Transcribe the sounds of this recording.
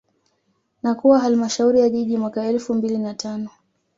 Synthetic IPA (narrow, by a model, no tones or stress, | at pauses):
nakuwaɦalmaʃauɾijaʄiʄimwakaɛlfumbilinatʰanɔ